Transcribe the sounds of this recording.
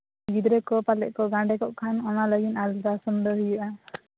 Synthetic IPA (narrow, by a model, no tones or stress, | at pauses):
ɡid̪ɾɛkɔpalɛʔ̚kɔɡãɳɖɛkɔʔkʰanɔnaləɡinald̪asɔnd̪ɔɦujuʔa